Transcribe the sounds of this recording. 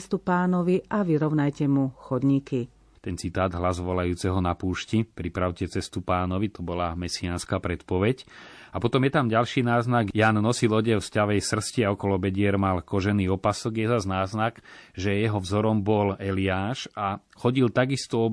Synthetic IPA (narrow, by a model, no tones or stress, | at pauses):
st̪upaːnɔʋiʔaʋiɾɔʊnajcɛmuxɔd̪ɲiki | t̪ɛnt͡sit̪aːd̪ɦlazʋɔlajuːt͡sɛɦɔnapuːʃcipɾipɾaʊcɛt͡sɛst̪upaːnɔʋit̪ɔbɔlamɛsianskaːpɾɛt̪pɔʋɛɟ | apɔt̪ɔmjɛt̪amɟalʃiːnaːznaɡjaːnnɔsilɔɟɛlfscaʋɛjsr̩sciaɔkɔlɔbɛɟɪɛɾmalkɔʒɛniːɔpasɔɡjɛzaznaːznakʒɛjɛɦɔvzɔɾɔmbɔlɛliaːʃa | xɔɟilt̪aɡist̪ɔɔ